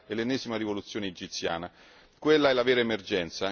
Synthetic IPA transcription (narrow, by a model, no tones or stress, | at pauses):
elenːɛːzimaɾivolut̪sːjoːneːd͡ʒit̪sːja̰ːna | kwelːaɛlaveːɾaemerd͡ʒɛnt̪sa